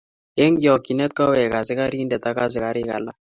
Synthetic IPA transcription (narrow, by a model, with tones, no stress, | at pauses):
e˦ŋɡjɔ˨kːi˨nɛ˦t̪̚ka˦wɛ˨ka˨sɪ˦ka˦ɾi˦ndɛ˨t̪a˦ka˦s̬ɪ˨ka˨ɾɪ˦ka̰˨la˦